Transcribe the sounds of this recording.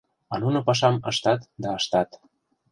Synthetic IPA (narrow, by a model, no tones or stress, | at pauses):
ɑnunŏpɑʃ̬ɑmɤ̆ʃt̪ɑt̪d̪ɑɤʃt̪ɑt̪